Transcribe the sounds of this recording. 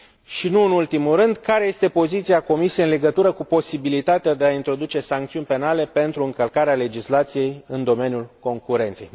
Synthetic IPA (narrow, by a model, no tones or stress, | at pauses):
ʃinuɨnult̪imuɾɨnd̪kaɾe̞je̞st̪e̞po̞zit̪siako̞misieɨnle̞ɡət̪uɾəkupo̞sibilit̪at̪ead̪e̞aint̪ɾo̞d̪ut͡ʃe̞saŋkt̪siunʲpe̞nale̞pe̞nt̪ɾuɨŋkəlkaɾeale̞d͡ʒislat̪sije̞jɨnd̪o̞me̞njulko̞ŋkuɾe̞nt̪se̞j